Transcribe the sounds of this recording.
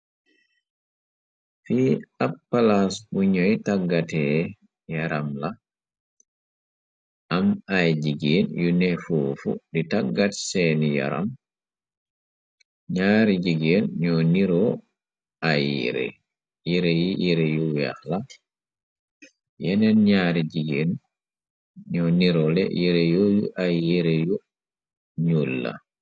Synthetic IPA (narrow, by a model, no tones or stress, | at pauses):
fiːappːalasbuɲɔjtaɡːatɛ | jaɾamla | ʔamajd͡ʒiɡɛnjunɛfuːfṵditaɡːatsɛnija̰ɾa̰m | ɲaɾid͡ʒiɡenɲɔniɾɔ | aj̰ɾɛ̰ | jiɾejijʔiɾɛjuja̰hla | jɛnɛnɲaɾid͡ʒiɡen | ɲɔniɾɔlɛ̰jɛɾɛjɔjuʔajːɛɾɛju | ɲulːa̰